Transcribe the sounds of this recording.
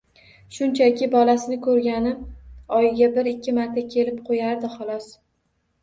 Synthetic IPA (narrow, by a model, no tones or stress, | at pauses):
ʃʊnt͡ʃʰakʲʰɪbɒlasɪnɪkʰɵɾɡʲanɪɒjɪɡʲabɪɾɪkʲʰːɪmaɾt̪ʰakʲʰe̞lɪp̚qʰojaɾd̪ɪχɒlˠɒs